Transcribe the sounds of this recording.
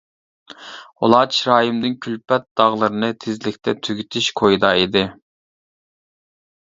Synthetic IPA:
o̰lˠɑːt͡ʃɾɑːjimd̪ɪnkʲʰylpɛt̪̚d̪̥ɑʁlˠɨɾɨnɨt̪ʰezlɪkʲt̪ʰɛt̪ʰyɡʲyt̪ʰɪʃkʰojd̪ɑid̪ɪ

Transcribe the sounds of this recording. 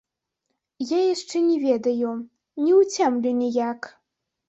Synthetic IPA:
jajaʂt͡ʂɛnʲɛvʲɛd̪ɐju | nʲɛwt͡sʲɛmlʲɛnʲɛjak

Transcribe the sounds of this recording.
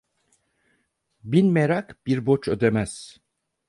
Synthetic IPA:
binmeɾakb̥iɾbo̞t͡ʃʰød̪emæz̥

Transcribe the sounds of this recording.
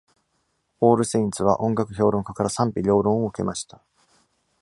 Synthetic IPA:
o̞ːɾɯ̟seĩnt͡sɨβaʔõ̞ŋɡakɯ̟ço̞ːɾõ̞ŋkakaɾasãmpʲiɾʲo̞ːɾõoɯ̟ke̞̰maɕi̥t̪ḁ

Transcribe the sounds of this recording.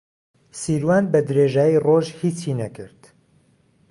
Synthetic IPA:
siːɾwaːnbɐd̪ɨɾeːʒaːjiroʒhiːt͡ʃinɐkɨɾd̪

